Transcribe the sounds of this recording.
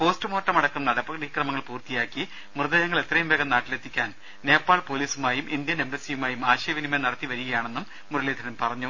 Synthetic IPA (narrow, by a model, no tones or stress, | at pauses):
po̞ːstɨmo̞ːʈːɐmɐɽɐkːumnɐɽɐpːɐɣɐɽikrɐmɐŋːɐɭpuːrt̪ijaːkːi | mrɨðɐjɐŋːɐɭe̞t̪rɐjumʋeːɣɐnaːʈːile̞t̪ʰːikʲːaːn | ne̞ːpːaːɭpo̞ːliːsumaːjumʔind̪jɐne̞mbesijumaːjumaːɕɐjɐʋinimɐnɐɽɐt̪ːiʋɐɾuɣɐjaːɳe̞nːumːuɾɐleːd̪ʰʱɐnɐmpɐrɐɲːu